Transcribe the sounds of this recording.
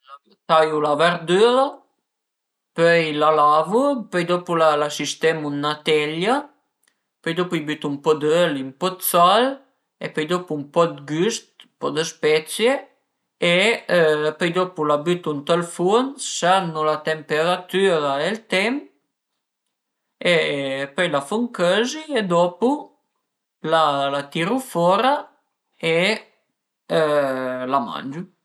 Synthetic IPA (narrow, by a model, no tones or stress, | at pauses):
t̪ajulavəɾd̪yɾa | pøjlalavupœjd̪ɔpulalasist̪ɛmunːat̪ɛʎa | pœjd̪ɔpuibyt̪umpɔd̪əlimpɔt̪sal | ḛpœjd̪ɔpuumpɔd̪ɡyst̪pɔd̪əspɛt̪t͡sje | e | pœjd̪ɔpulabyt̪unt̪alfunsanːulat̪empeɾat̪yɾaelt̪ɛm | epɔjlafuŋkøzied̪ɔpu | lalat̪iɾufɔɾa | e | lama̰nd͡ʒu